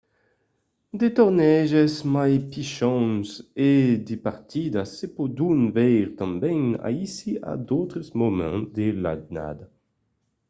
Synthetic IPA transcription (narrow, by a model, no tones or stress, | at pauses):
d̪et̪oɾnɛʒezmajpiʃɔ̃ŋsed̪epaɾt̪id̪asepod̪unvɛjɾt̪ãmbɛ̃ŋa̰isia̰d̪owt̪ɾesmomɛ̰̃d̪ela̰dna̰d̪a